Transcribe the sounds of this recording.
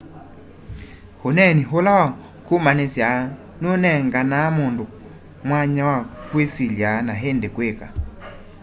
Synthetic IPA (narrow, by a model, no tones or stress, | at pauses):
honɛniɦolawa | komanesja | nonɛŋɡanamondo | mwaɲawakwesiljanaɦendekweka̰